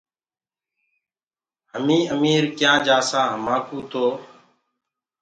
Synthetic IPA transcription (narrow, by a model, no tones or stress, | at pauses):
ɦəmĩːʔəmiːɾkjãːd͡ʒaːsãːɦəmaːkũːt̪ʰoː